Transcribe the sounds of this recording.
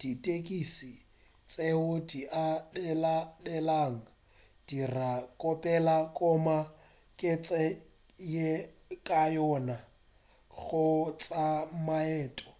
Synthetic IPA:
d̥itʼekʼisi | t͡sʼeʊdiʔaɛladɛlaŋ̩ | d̥irakʼɔpʼɛlakʼɔma | kʼɪt͡sʼɛ | je | kʼajɔna | ɣʊt͡sʼamaɛːtʼɔ̥

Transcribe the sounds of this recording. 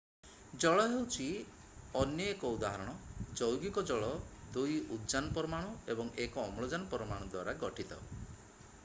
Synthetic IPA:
d͡ʒɔɭɔɦewt͡ʃʰi | ɔnjɔekɔud̪aɦɔɾɔɽ̃ɔd͡ʒɔwɡikɔd͡ʒɔɭɔd̪ujud̪d͡ʒanɔpɔɾɔmaɽ̃ɔebɔŋekɔːmɔɭɔd͡ʒanɔpɔɾɔmaɽ̃ɔd̪wa̰ɾaɡɔʈit̪ɔ̰

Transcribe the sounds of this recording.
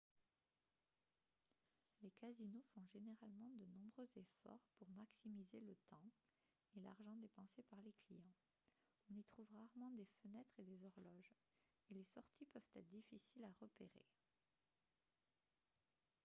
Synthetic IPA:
lekazinofɔ̃ʒeneʁalmɑ̃d̪ənɔ̃bʁøzefɔ̰ʁpuʁmaksimizelət̪ɑ̃ | ela̰ʁʒɑ̃d̪epɑ̃sepaʁleklijɑ̃ | ɔ̃nit̪χuvʁaʁmɑ̃d̪efənɛt̪χed̪ezɔʁlɔʒ | elesɔʁt̪ʰipœv̥t̪ɛt̪χd̪ifisilaʁəpeʁḛ

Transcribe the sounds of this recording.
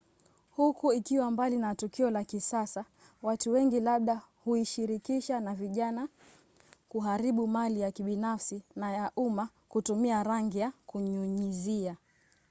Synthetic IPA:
hukuikiwambalinatukiɔlakisasa | watuwɛŋɡilaɓ̚ɗa | huiʃiɾikiʃanaviʄana | kuɦaɾiɓumalijakiɓinafsinajaʔuma | kutumiaɾaŋɡijakuɲuɲizia

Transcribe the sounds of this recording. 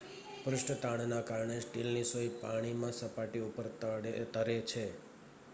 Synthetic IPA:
pɾʊʂʈət̪aɳ̃nakaɾəɳesʈilnisoipaɽ̃imãsəpaʈiupəɾt̪əɾet͡ʃʰe

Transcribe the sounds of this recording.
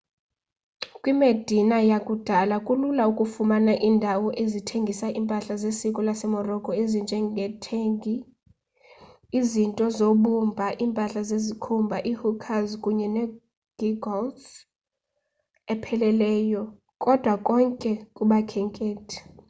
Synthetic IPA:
kʼwimed̥ʱinajakʼud̥ʱalakʼululaukʼufumanaʔiːndʱawɔʔezitʰeŋɡʱisaʔimpʼaɬazesikʼɔlasɛmɔrɔkʼɔezind͡ʒʱɛɡʱɛtʰeŋɡʱi | zintʼɔzoɓumbʱaʔiːmpʼaɬazezikʰumbʱaʔihukʰazkʼuɲɛnɛ | ɡ̥iɡɔlt | ɛpʰɛlɛlɛːjɔ | kʼɔd̥ʱwakʼɔŋkʼɛkʼuɓakʰɛŋkʼeːtʰi̥

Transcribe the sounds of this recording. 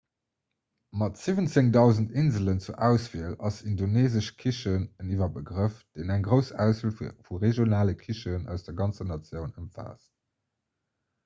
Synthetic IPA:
mɑtz̥ivənt͡seŋdɑʊzəntinzələnt͡suʔæʊsv̥iəlɑsindoneːzəʃkʰiʃənənivɐbəɡʁəfd̥eːnæŋɡʁəʊsæʊsvilfuʁeʒjonaːləkʰiʃənæ̰ʊsd̥ɛɐɡɑnt͡sənɑt͡sjəʊnəmfa̰ːs

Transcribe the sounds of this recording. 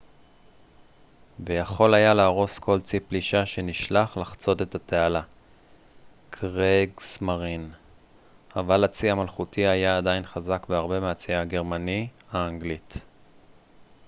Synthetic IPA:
vejaχo̞lajalaːʁo̞skʰo̞lt͡sipliʃaʃe̞niʃlaχlaχt͡so̞te̞tatʰeala | kʰʁeɡsmaʁin | avalat͡siamalχutʰiajaːdainχazakveaʁbe̞meat͡siaaɡe̞ʁmanihaːŋɡlit

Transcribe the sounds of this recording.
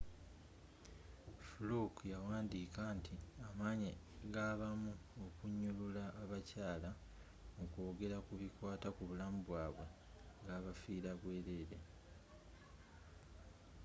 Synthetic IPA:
fulukjawaːndiːkantʰiamaːɲi | ɡaβamuokuɲːululaːβacaːla | mukoːɡe̞ɾakuβikwaːtakuβulamubwaːβwe̞ | ŋɡaːβafiːɾaβwe̞ːɾeːɾe̞

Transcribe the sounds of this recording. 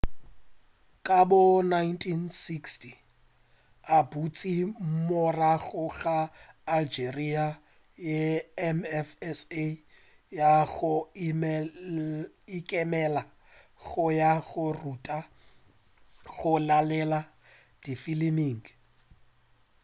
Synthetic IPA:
kʼabʊnaintʰʼinsikstʰʼi | abut͡sʼimɔraɣʊɣaː | ld͡ʒeria | jeɛmɛfɛse | jaɣʊ | ikʼɛmɛla | ɣʊjaɣʊrutʼa | ɣʊlalɛla | d̥ifiliniːŋɡ

